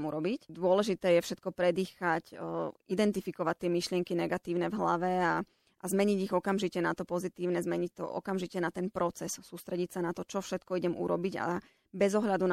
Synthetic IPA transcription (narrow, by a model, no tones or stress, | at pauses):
muɾɔbicd̪ʊɔlɛʒit̪ɛːjɛfʃɛt̪̚kɔpɾɛd̪iːxacid̪ɛnt̪ifikɔʋact̪ːɪɛmiʃlɪɛŋkinɛɡat̪iːʊnɛvɦla̰ʋɛa | ʔazmɛɲiɟiɣɔkamʒicɛnat̪ɔpɔzit̪iːʊnɛzmɛɲic̚t̪ɔ̰ʔɔ̰kamʒicɛnat̪ɛnpɾɔt͡sɛssuːst̪ɾɛɟicsanat̪ɔt͡ʃɔfʃɛt̪kɔiɟɛmṵɾɔbiɟa̰ | bɛzɔɦʎad̪un